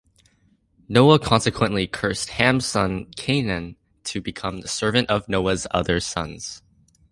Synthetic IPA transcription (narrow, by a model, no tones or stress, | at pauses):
noʊəkʰɑ̃nsɨkʰwə̃nʔlikʰɜ˞st̚hæ̃msʌ̃nkʰẽɪ̃nɨ̃n | tʰɨbɨkʰʌ̃mðəsɜ˞vɨ̃ntʌvnoʊəzʌ̰ðə˞sʌ̰̃nz̥